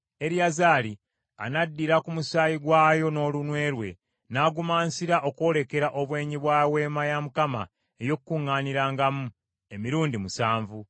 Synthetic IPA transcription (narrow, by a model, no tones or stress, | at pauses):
e̞ɾiazaːli | a̰nadːiɾakumusaːjiɡwaːjo̞no̞ːlunwe̞ːɾwe̞̰ | naːɡumaːnsiɾaʔo̞kwo̞ːle̞ke̞ɾaʔo̞βwe̞ːɲiβwawe̞ːmajamukama̰ | ejo̞kukuŋːaːniɾaːŋɡamu | e̞miɾuːndimusaːɱvu